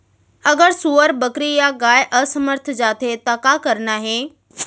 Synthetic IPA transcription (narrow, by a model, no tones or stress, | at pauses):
ɐɡəɾsuːəɾbɐkɾijaɡaːjʔɐsɐməɾt̪ʰd͡ʑaːt̪ʰet̪aːkakɐɾnaːɦeː